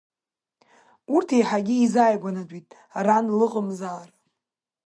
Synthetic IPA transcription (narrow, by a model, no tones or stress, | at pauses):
urtʰejħaɡʲɪizajɡʷanatʷʼitʼ | ranlɨqʼəmzaːra